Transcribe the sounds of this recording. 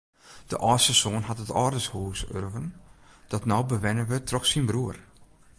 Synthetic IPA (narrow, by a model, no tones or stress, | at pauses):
d̥ə̰ʔɔːsəsoːnɦatətɔːdənshuːsø̰rvənd̥ɔtnɔwbəʋɛnənʋətʰrɔxsinbruər